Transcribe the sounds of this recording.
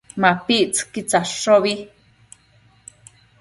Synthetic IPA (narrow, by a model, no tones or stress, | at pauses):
mapiʔt͡skit͡saʂoβi